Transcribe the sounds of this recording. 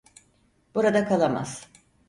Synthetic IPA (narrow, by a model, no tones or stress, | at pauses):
buɾad̪akʰalˠama̰z̥